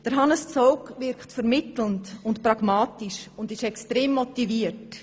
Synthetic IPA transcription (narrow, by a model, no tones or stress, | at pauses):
d̥əɾɦɑnəst͡soʊkvɪɾkχtfəɾmɪtl̩ntʊntpɾɑɡ̥mɑːtiʃʊndɪʃɛkstɾeːmːɔtiviəɾt